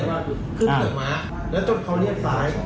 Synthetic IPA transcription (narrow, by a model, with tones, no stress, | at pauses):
kʰɯ˥˩nːɯ˨˩maː˦˥ʔ | lɛː˦˥wt̪o˥˩ŋkʰɔ˧˥wni˥˩əm̚saː˩˦˥j